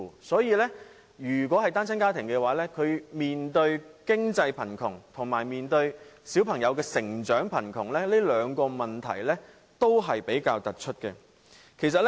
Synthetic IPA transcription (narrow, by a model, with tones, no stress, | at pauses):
sɔː˨˥jiː˧lɛ˥ | jyː˨˩k̬wɔː˨˥hɐ˨jt̪aː˥nt͡sʰɐ˥nkaː˥t̪ʰɪ˨˩ŋkɛ˧waː˨˥lɛː˥kʰɵ˨˧ɥmiː˨nt̪ɵ˧ɥkɪ˥ŋt͡sɐ˧jpʰɐ˨˩nkʰʊ˨˩ŋt̪ʰʊ˨˩ŋmaː˨˩jmiː˨nt̪ɵ˧ɥsi˨˥wpʰɐ˨˩ŋjɐ˨˧wkɛː˧sɪ˨˩ŋt͡ʃœː˨˥ŋpʰɐ˨˩nkʰʊ˨˩ŋlɛ˥leː˥lœː˨˧ŋkɔː˧mɐ˨˩nt̪ʰɐ̰˨˩jlɛ˥ | t̪o˥wɦɐ˨jpe˨˥jkaː˧wt̪ɐ˨t̚t͡ʃʰɵ˥t̚kɛ̰˧ | kʰe˨˩js̬ɐ˨t̚